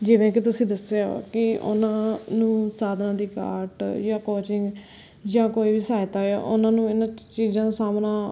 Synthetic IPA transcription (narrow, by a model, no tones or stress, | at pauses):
d͡ʒɪʋɛ̃ːk̬it̪̬ʊsĩːd̪əseo̰kɪʊ̰nãːnũːsaːd̪nãːd̪iːka̰ːɾʈjãːkoːt͡ʃɪŋɡ | d͡ʒãːkoːiːbiːsaːɪt̪aːaʔʊnãːnũːɪnãːt͡ʃiːzãːd̪aːsaːmnaː